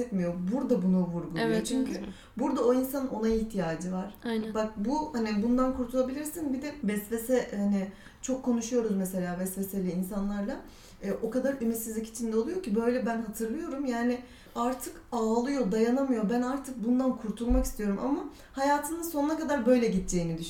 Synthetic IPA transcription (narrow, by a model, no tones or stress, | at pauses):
ɛt̪mijo̞buɾd̪abunuvuɾɡulˠujot͡ʃʰyɲcʰy | buɾd̪ao̞insano̞naiçt̪ʰijaːd͡ʒivaɾ̥bak̚buhanibund̪ankʰuɾt̪ʰulˠabilʲiɾsinbid̪ɛvɛsve̞sɛhanɪ | t͡ʃʰo̞kʰːo̞nuʃujo̞ɾuzmese̞lʲaːvɛsve̞selʲiːnsanlˠaɾlˠaː | ʔo̞kad̪aɾymit̪sizlʲici̥t͡ʃʰind̪ɛolˠujo̞cʰibø̞jlʲɛbænɦat̪ʰɯɾlˠɯjo̞ɾumjaːnɪ | aɾt̪ʰɯkaːlˠɯjo̞d̪ajanamɯjo̞bænaɾt̪ʰɯk̚bund̪ankʰuɾt̪ʰulˠmaki̥st̪ʰijo̞ɾumʔa̰ma | hajaːt̪ʰɯnɯsonunakad̪aɾbø̞jlʲɛɟit̪̚d͡ʒejinid̪yʃ